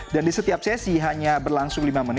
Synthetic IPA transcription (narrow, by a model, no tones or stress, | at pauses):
dandisət̪iap̚sɛsiɦaɲabərlaŋsʊŋlimamən